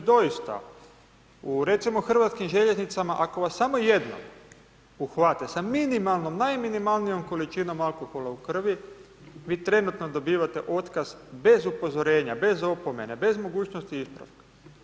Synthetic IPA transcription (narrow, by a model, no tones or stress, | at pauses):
d̪o̞jist̪a̰ | uɾe̞t̪simo̞xr̩ʋat̪skimʒe̞ʎeznit̪samaʔako̞ʋasːamo̞je̞d̪no̰m | uxʋat̪esaminimalˠno̞mnajminimalˠnijo̞mko̞lit͡ʃino̞malˠko̞xo̞lˠaukr̩ʋi | ʋiːt̪ɾe̞nut̪no̞d̪o̞biːʋat̪e̞ʔo̞t̪kazbe̞zupo̞zo̞ɾe̞ːɲabe̞zo̞po̞me̞nebe̞zmo̞ɡuːt͡ɕnost̪iispɾa̰fkḁ